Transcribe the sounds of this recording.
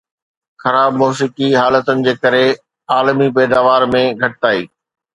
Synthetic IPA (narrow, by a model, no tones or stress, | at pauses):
xɐɾaːbmoːs̬ikiɦaːlət̪ʊnɪ̆d͡ʑeːkɐɾe | aːlmipɛːd̪aːʋaːɾmẽɡʱɐʈɪt̪aːḭː